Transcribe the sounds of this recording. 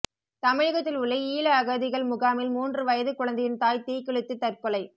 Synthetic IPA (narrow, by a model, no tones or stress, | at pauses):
t̪ɐmɪɻɐɣɐt̪ːɪlʊɭːɐiːlɐːɣɐðɪɣɐɭmʊɣaːmɪlmuːndrɯʋɐjɐðɯkʊɻɐnd̪ɐjɪnt̪aːjt̪iːkɪɭɯt̪ːɯt̪ːɐrkɔlɐɪ